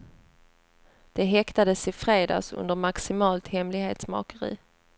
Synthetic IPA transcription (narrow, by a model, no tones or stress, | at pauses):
d̪̥ɛɦɛkt̪ad̪əsɪfɾeːd̪ɑ̰ːsɵ̰nd̪əɾmaksɪmɑːlt̪hɛmlɪɡhḛːt̪smɑ̰ːkəɾḭː